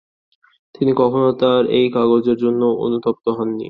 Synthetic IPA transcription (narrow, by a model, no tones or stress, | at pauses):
t̪inikɔkʰonot̪aɾḛjkaɡod͡ʑeɾd͡ʑonːoo̰nut̪op̚t̪oɦɔnːḭ